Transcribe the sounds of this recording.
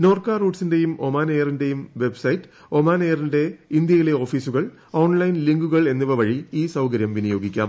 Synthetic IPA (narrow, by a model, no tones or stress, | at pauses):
no̞ːrkaːruːʈsinde̞jumo̞maːnejɐrinde̞jumʋe̞bsɐjtːɨ̥ | o̞maːnejɐrinde̞ind̪jɐjile̞o̞ːfiːsuɣɐɭ | o̞ːnlɐjnliŋɡuɣɐɭe̞nːiʋɐʋɐɻiiːsɐwkɐɾjɐmʋinijo̞ːɡikʲːa̰ːm